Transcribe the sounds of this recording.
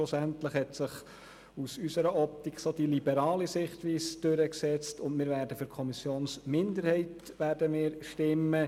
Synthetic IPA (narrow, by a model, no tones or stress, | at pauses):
ʊsæntləχhɛtsɪχ | usysəɾəʔɔp̚t̪ikχsodilibɛɾɑːlisɪχtʋiːsd̥øɾəksɛt͡stʊntmɪːɾʋæːɾdəfʏɾkʰɔmisjoːnsmɪndəɾhɛɪt | ʋæːɾdəmɪːɾʃtɪmːə